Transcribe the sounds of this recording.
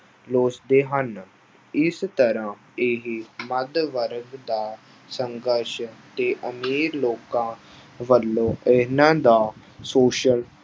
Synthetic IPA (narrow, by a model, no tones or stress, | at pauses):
loːsd̪eːɦən | ɪst̪əɾãː | eɦiməd̪ʋəɾɡd̪aː | səŋɡəɾʃt̪eːʔəmiːɾloːkãː | ʋəlːõːʔenãːd̪aː | soːʃəl